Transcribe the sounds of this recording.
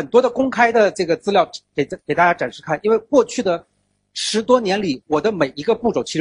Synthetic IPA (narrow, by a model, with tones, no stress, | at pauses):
ə˨˩nt̪wɔ˥d̪ə˨kʊ˥ŋkʰa˥ɪd̪ə˨ʈ͡ʂɤ˥˩ɡə˩t͡sɹ̩˥ljɑ˥˩ʊke˨˩ɪ˥˩ke˨˩ɪt̪a˥˩t͡ɕja˥ʈ͡ʂa˨˩nʂɻ̩˥˧kʰa˥˩nʔi˥nwe˥˧ɪkwɔ˥˧t͡ɕʰy˥˩d̪ə˩ | ʂɻ̩˧˥t̪wɔ˥njɛ˧˥nli˨˩wɔ˨˩d̪ə˦me˨˩ɪi˧˥ɡə˧pu˥˩ʈ͡ʂo˨˩ʊt͡ɕʰi˧˥